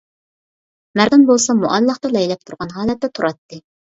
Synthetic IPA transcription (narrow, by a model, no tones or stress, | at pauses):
mæɾd̪ɨnbolˠsɑmoʔɑlˠːɑχt̪ɑlɛjlɛp̚t̪ʰuɾʁɑnɦɑːlɛt̪ːɛt̪ʰuɾɑt̪ːɨ